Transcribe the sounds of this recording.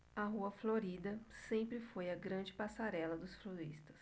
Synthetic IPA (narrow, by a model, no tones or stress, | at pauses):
aɦuɐfloɾid̪ɐsẽmpɾɪfojɐɡɾɐ̃d͡ʒɪpasaɾɛlɐd̪ʊsfloɾist̪ɐ̥s